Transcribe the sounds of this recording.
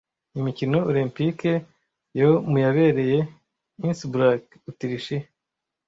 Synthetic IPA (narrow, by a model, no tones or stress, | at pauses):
imicino̞olimpike | jomujaβe̞ːɾe̞je̞ | insibuɾak | utiɾiʃi